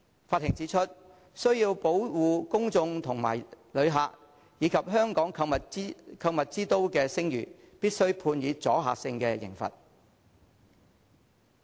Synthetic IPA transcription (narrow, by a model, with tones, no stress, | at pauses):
faː˧t̚hɪ˨˩ŋt͡siː˨˥t͡ʃʰɵ˥t̚ | sɵ˥ɥjiː˧wpo˨˥wwuː˨˧kʊ˥ŋt͡sʊ˧ŋt̪ʰʊ˨˩ŋma̰ː˨˩jlɵ˨˧ɥɦaː˨k̚ | jiː˨˧kʰɐ˨p̚ɦœː˥ŋkɔː˨˥ŋkʰɐ˧wmɐ˨kʰɐ˧wmɐ˨t̚t͡siː˥t̪o˥wkɛː˧sɪ˥ŋjy̰ː˨˩ | piː˥t̚sɵ˥ɥpʰuː˧njiː˨˧t͡sɔ̰ː˨˥ɦa̰ː˨k̚sɪ˧ŋkɛ˧jɪ̰˨˩ŋfɐ̰˨t̚